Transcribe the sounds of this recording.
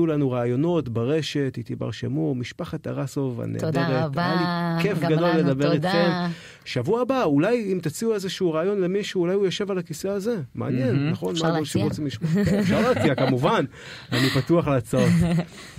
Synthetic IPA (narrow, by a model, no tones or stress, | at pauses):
ulanuʁaːjo̞no̞tbaʁe̞ʃe̞tit̪iba̰ʁʃḛmumiʃpaχat̪aʁasova̰nḛdeʁetajalike̞fɡad̪o̞lːed̪abe̞ʁit̪χe̞m | ʃavuaːbaulajimt̪at͡siuezeʃuuʁaːjo̞nle̞miʃuːlajujoʃe̞valakise̞aze̞mḛːnjennːaχo̞nmaoʃemʁot͡simliʃmaʃaʁat͡siakamuvan | anipatuaχlat͡saot